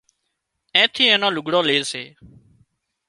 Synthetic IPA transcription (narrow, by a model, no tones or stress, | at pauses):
ẽːt̪ʰiːẽːnãːlʊɡɽõːleːseː